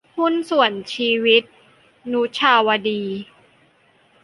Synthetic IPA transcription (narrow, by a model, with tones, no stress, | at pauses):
hu˥nsu˨˩ənt͡ɕʰiː˧wi˦˥t̪̚ | nu˦˥t͡ɕʰaː˧wa˧diː˧